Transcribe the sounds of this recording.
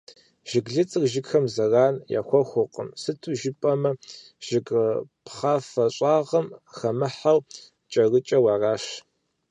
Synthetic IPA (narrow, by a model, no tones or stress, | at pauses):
ʒ̥ɪɡɮɨt͡sʼrʒɪɡxɐmzɐraːnja̰ːxʷɔxʷʊqə̰msɨtʰuʒɪpʼɐmɐ | ʒ̥ɪɡpχaːfɐɕʼɑːʁɐmxɐmɨħaw | t͡ʃʼɐrɨt͡ʃʼɐwɑːraːʃ